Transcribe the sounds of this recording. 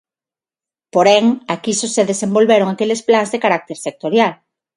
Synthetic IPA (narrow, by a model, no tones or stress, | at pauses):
poɾɛŋakisoseðesembolβeɾoŋakelesplaŋzðekaɾak̚t̪eɾsek̚t̪oɾjal